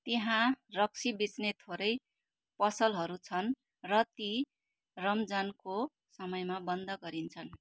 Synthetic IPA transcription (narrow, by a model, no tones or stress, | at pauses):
t̪eɦãrʌk̚sʰibit͡snet̪ʰoɾʌj | pʌsʌlɦʌɾut͡sʰʌn | rʌt̪i | rʌmd͡zanko | sʌmʌjmabʌnd̪ʱʌɡʌɾint͡sʰʌn